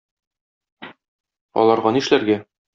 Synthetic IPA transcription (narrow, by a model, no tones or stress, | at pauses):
ɒ̰lˠɑɾʁɑniʃlæɾɡæ